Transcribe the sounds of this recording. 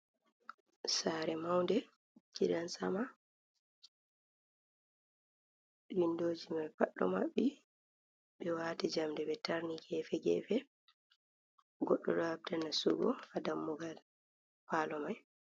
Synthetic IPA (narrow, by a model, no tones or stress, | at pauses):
saːɾɛmawndɛ | kḭɗansama | windoːd͡ʒimajfa̰ɗːɔ̰ma̰ɓːi | ɓɛwaːtid͡ʒamdɛɓɛtaɾniɡɛːfɛɡɛ̰ːfɛ | ɡɔɗːɔ̰ɗɔap̚tɛnasuɡɔ̰adamːɔɡal | paːlɔmaj